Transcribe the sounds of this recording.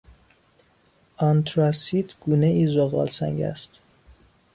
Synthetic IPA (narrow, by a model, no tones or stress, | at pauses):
ɒnt̪ʰɾɑsid̪ɡ̥uːneiːzoɣɒ̰ːlsæ̰ŋɟæ̰st̪